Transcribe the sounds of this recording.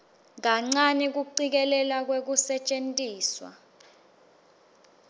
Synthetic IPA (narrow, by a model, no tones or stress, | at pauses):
ŋaŋ͡ǀanɛk̬uǀik̬ɛlɛlak̬wek̬usɛt͡ʃʼentʼiːswa̰